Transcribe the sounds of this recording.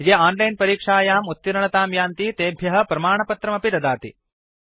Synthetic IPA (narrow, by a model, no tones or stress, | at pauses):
d͡ʒeːaːnlɐjnpɐɾiːkʂaːjaːmut̪ːiɾɐɳɐt̪aːmjaːnt̪it̪eːbʱjɐɦɐ̆pɾɐmaːɳɐpɐt̪ɾɐmɐpid̪ɐd̪aːt̪ḭ